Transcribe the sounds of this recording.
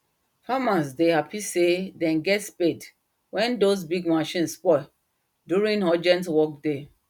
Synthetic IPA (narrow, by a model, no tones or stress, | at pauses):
famasdehapisedɛ̃nɡɛtsped | wɛ̃ndos̬biɡmaʃĩnspɔ | djuɹĩŋɔd͡ʒɛ̃ntwɔk̚de